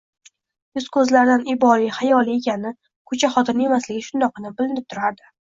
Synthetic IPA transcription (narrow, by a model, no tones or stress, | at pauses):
jʊzkʰɵzlaɾd̪anɪbɒliχajɒlˠie̞kʲʰanɪ | kʰɵt͡ʃʰaχɒt̪ʰɪne̞maslɪɡʲɪʃʊnd̪ɒqɨnɪbɪlɪnɪp̚t̪ʰʊɾaɾd̪ɪ